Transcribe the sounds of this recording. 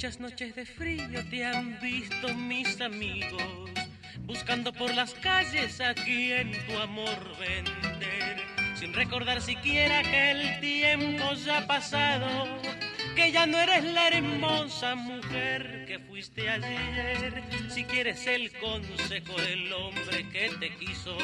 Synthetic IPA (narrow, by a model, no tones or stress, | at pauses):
t͡ʃasno̞t͡ʃezðe̞fɾio̞t̪eambist̪o̞misamiɣos | buskand̪o̞po̞ɾlaskaʝe̞sakient̪uamoɾβend̪eɾsinreko̞ɾðaɾsikje̞ɾakeːlt̪je̞mpo̞ʝapasaðo̞ | ke̞ʝanoe̞ɾe̞zlaeɾmo̞samuxeɾ | ke̞fwist̪eaʝeeɾsikje̞ɾe̞se̞lko̞nse̞xo̞ðelo̞mbɾe̞ke̞t̪e̞kiso̞